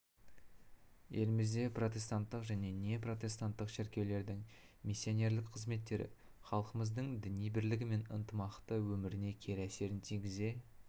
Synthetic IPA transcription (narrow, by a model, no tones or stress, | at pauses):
je̞̰lɪmɪzd̪e̞pro̞t̪̬ʲe̞st̪ant̪ːəqʒæne̞ne̞pro̞t̪ʲe̞st̪ant̪ːəqʃɪɾkʲe̞wle̞ɾd̪ɪŋ | mʲisʲːijo̞ne̞ɾlɪkqʰəzme̞t̪ːe̞ɾɪ̰ | χɑlˠqəməzd̪əɴd̪ɪnijbɪɾlɪɡʲɪme̞nənt̪əmɑqt̪əwɵmɪɾɪne̞kʲʰe̞ɾæse̞ɾɪnt̪ʰijɡʲɪze̞